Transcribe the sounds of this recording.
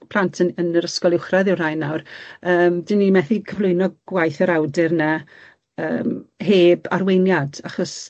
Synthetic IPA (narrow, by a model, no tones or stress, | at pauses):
pʰlˠantʰəənəɾəskɔlˠɪwχraðɪwrajnːawrəːmdinimɛθikʰəvlˠʊɨnɔɡ̥wajθəɾawdɪrna | ə̰ːmɦeːba̰rwejnjadaχɔs